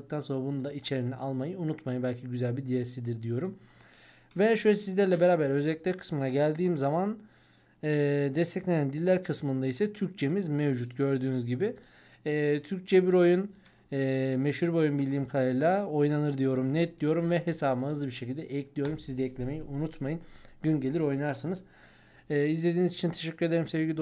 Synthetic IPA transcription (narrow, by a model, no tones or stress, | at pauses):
ɯkt̪anso̞nabunund̪ait͡ʃʰe̞ɾiniʔalˠmajɯunut̪majɯbælʲcʰiɟyzælʲbid̪ijesid̪iɾd̪ijo̞ɾum | vɛʃøjlʲɛsizlʲæɾlʲɛbe̞ɾaːbæɾø̞zɛlʲːiclʲæɾkʰɯ̥smɯnaɟælʲd̪iːmzaman | ɯːd̪ɛst̪ʰɛclʲe̞nænd̪ilʲːæɾkʰɯsmɯnd̪aisɛt̪ʰyɾc̚t͡ʃʰe̞mizmevd͡ʒut̪ɟø̞ɾd̪yːnyzɟibiː | t̪ʰyɾc̚t͡ʃʰɛbiɾo̞junː | meʃhuɾbo̞junbilʲːiːmkʰalɾlʲˠao̞jnanɯɾd̪ijo̞ɾumnɛt̪̚d̪ijo̞ɾumvɛɦe̞saːbmaɯzˠɯbiɾʃe̞cilʲd̪ɛʔɛclʲijo̞ɾumsizd̪ɛɛclʲe̞me̞jiʔunut̪majɯnɟynɟelʲiɾo̞jnaɾsɯnɯzː | izlʲe̞d̪iːnizit͡ʃʰint̪ʰe̞ʃecʲːyɾed̪eimse̞vɟʲid